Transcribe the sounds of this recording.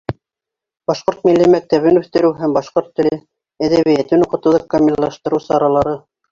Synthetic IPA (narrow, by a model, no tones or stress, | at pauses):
bɑʃqoɾt̪̚milːimæk̚t̪æβɘnʉθt̪ɘ̆ɾɘwɦæmbɑʃqoɾt̪ːɘ̆lɘ | æðæβijæt̪ɘnuqɤ̆t̪ɤ̆ðɤk̚kːɐmʲilːˠɑʃt̪ɤ̆ɾɤwsɑɾɑlˠɑɾɤ